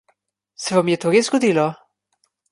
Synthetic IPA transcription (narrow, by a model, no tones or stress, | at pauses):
sɛvamjɛt̪oɾezɡɔd̪ilɔ